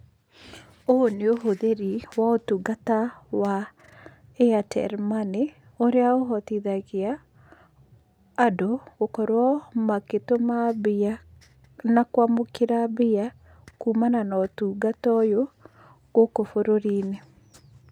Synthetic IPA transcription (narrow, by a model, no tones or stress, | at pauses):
oneoɦoðeɾiwaotuɡatawa | eatʰɛ̰ɾmane | oɾeaoɦɔtiðaɣea | doɣokɔɾwɔmaketomabia | nakwamokeɾabia | kuːmananɔtuɡatɔjo | ɣokofoɾoɾiːne